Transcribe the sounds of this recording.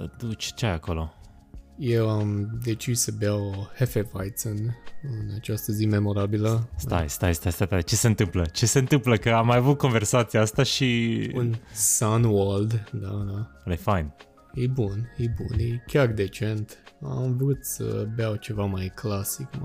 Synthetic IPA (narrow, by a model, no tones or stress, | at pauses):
d̪ut͡ʃʲt͡ʃajako̞lo̞ | jewamd̪e̞t͡ʃissəbeawhefevajt̪sonɨnat͡ʃast̪əzime̞mo̞ɾabiləst̪a̰jst̪ajst̪ajst̪at̪at͡ʃe̞seɨnt̪ɨmplət͡ʃe̞se̞ɨnt̪ɨmpləkəamajavut̪̚ko̞nve̞rsat̪siaast̪aʃiunsanwald̪d̪ad̪a | lefajn | jejbunjejbunjejkʲard̪e̞t͡ʃe̞nt̪a̰mvɾut̪sə̰beawt͡ʃe̞vamajklasikma